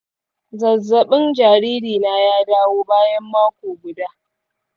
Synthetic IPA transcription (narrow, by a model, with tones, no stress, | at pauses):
zɐ˨zːɐ˨ɓɪ˦nd͡ʒaː˨ɾiː˦ɾiː˨na˦jaː˦daː˦woː˦baː˦jɐ˦mːaː˦kʷoː˨ɡʷʊ˨daː˦